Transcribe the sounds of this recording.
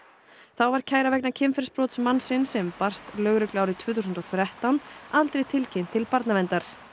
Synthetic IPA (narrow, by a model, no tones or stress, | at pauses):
θawvaɾ̥cʰaːjɾavɛk̚nacʰɪmfɪɾspɾɔːt̪smansɪnsɛmpar̥st̪lœːɣɾʏklawɾɪt̪ʰvʏːθusʏnt̪ɔθɾɛht̪awnalt̪ɾejt̪ʰɪlcʰejm̥t̪ʰɪlpaɾt̪navɛnt̪aɾ̥